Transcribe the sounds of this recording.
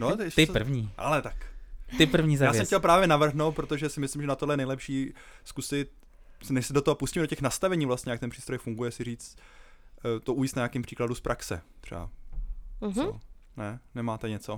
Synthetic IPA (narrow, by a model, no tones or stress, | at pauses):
not̪tɪpr̩vɲiːʔa̰lɛt̪akt̪ɪpr̩vɲiːzaajɛmcɛlpɾaːvjɛnavr̩ɦnowt̪pɾot̪oʒɛsɪmɪslɪmʒɛnat̪odlɛjɛnɛjlɛpʃiː | skusɪt̪̚ | snɛʃsɛdo̞t̪oɦopuscimɛdocɛxnast̪avɛɲiːvlast̪ɲɛjakt̪ɛnpr̥iːst̪ɾojfuŋɡujɛsɪr̝iːt͡st̪ | t̪oʔuːjist̪naɲaːkiːmpr̝̥iːkladuspɾʔaksɛ̰t̪r̝̥ɛ̰ba̰ | ɦonɛnɛmaːt̪ɛɲɛt͡so